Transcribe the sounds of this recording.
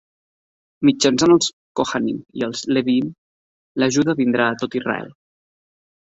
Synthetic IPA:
mid͡ʒənsanəlˠs | koxanḭmḭəlˠzleβim | ləʒuðəβind̪ɾaːt̪ot̪irə̰ɛ̰lˠ

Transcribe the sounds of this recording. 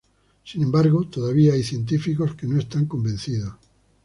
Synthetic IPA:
sinẽmbaɾɣot̪oðaβiaajθje̞nt̪ifikoskenoest̪aŋkombẽnθiðos

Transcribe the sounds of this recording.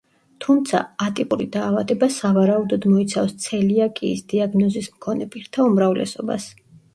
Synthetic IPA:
t̪ʰumt̪sʰa̰at̪ʼikʼuɾid̪aːvad̪ɛbasavaɾaud̪ɔd̪mɔit̪sʰafst̪sʰɛliakʼiːsd̪iaɡnɔzismkʰɔnɛpʼiɾt̪ʰaumɾavlɛ̰sɔba̰s

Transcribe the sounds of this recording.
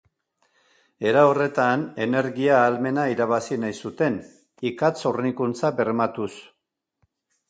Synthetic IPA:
e̞ɾao̞re̞t̪ane̞ne̞ɾɣiaːlme̞naiɾaβ̞asinajsut̪e̞n | ikat͡so̞rnikunt͡saβe̞rmat̪us

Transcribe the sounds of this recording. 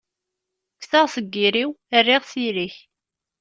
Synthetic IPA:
kːθaʁsəɡːiɾiwərːiʁsiɾiç

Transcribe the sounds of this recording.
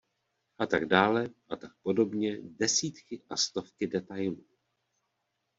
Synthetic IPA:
ʔat̪aɡdaːlɛʔat̪ak̚po̞do̞bɲɛdɛsiːt̪kɪʔast̪o̞fkɪdɛt̪ajluː

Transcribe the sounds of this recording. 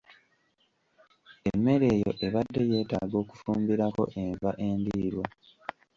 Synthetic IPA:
emːe̞ɾe̞ːjo̞̰ʔe̞βadːe̞je̞ːta̰ːɡo̞ːku̥fuːmbiɾako̞̰ʔeɱvaʔe̞ːndiːɾwa

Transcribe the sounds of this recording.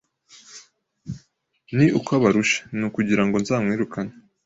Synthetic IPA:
niʔukwaβaɾuʃḁnukuɟiɾaŋɡo̞nzaːmŋiːɾukaɲe

